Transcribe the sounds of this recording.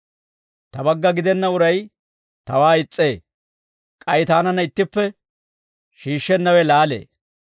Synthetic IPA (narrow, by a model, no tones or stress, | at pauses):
t̪ɐbɐɡːɐɡɪd̪ɛnːɐʊɾɐj | t̪ɐwaːɪt͡sʼːe̞ː | kʼɐjt̪aːnɐnɐɪt̪ːɪpːɛ | ʃiːʃːɛnːɐwɛlaːlḛː